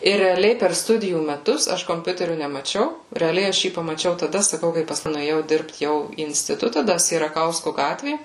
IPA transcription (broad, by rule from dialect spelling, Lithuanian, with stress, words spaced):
ɪr rʲɛɐˈlʲɛɪ pʲɛr ˈstʊdʲɪjuː mʲɛˈtʊs ˈɐʃ koːmʲˈpʲʊtʲɛrʲʊ nʲɛmɐˈt͡ʃʲɛʊ rʲɛɐˈlʲɛɪ ˈɐʃ ˈjiː pɐmɐˈt͡ʃʲɛʊ tɐˈdɐ sɐˈkɐʊ kɐɪ pɐsˈkʊɪ nʊeːˈjɛʊ ˈdʲɪrpt ˈjɛʊ iː ɪnʲsʲtʲɪˈtʊtɐ ˈdɐ sʲiɛrɐˈkɐʊskʊ ˈɡɑːtʲʋʲeː